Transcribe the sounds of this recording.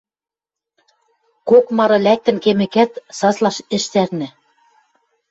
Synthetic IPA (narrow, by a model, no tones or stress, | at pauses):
kokmɑɾɤ̆læk̚t̪ɘ̆nkemɘ̆kæt̪sɑzlˠɑʃɘ̆ʃt̪ærnɘ̆